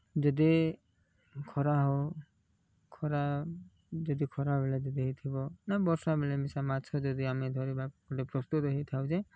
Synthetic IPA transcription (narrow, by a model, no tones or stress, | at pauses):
d͡ʒɔd̪i | kʰɔɾaɦɔ | kʰɔɾa | d͡ʒɔd̪ikʰɔɾaɦbeled͡ʒɔd̪iɦet̪ʰibɔnabɔɾsnabelemisamat͡ʃʰɔd͡ʒɔd̪iamid̪ʱɔɾibakɔɖepɾɔst̪ut̪ɔɦet̪ʰawd͡ʒe